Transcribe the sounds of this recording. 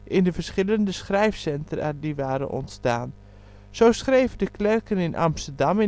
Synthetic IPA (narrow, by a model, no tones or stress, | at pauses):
ʔɪndəvəɹsχɪləndəsχrɛjfsɛntʰəra̰diʋaːɾə̰nʔɔ̰ntstaːn | z̥owsχrejvədəklɛrkənɪnʔɑ̰mstərdɑmɪ